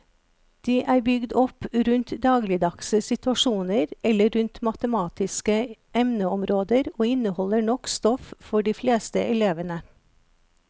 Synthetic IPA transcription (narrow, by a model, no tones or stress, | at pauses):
d̪̥iːʔæːɾbʏɡd̪ɔpɾʉnt̪d̪ɑːɡlɪd̪ɑkssɪt̪ʉɑʃuːnəɾɛləɾʉnt̪mɑt̪əmɑːt̪ɪskəʔɛmnəɔmɾoːd̪əɾoːɪnəhɔləɳɔkst̪ɔffɔɖiːfleːst̪əʔɛleːʋənə